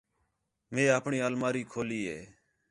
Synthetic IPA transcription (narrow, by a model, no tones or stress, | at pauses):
mẽːaːpɳiːəlmaːɾiːkʰoːliːɦeː